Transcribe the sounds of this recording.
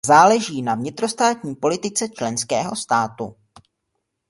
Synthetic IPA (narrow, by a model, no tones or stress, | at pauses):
zaːlɛʒiːnavɲɪt̪ɾo̞st̪aːt̪ɲiːpo̞lɪt̪ɪt͡sɛt͡ʃlɛnskɛːɦo̞st̪aːt̪ṵ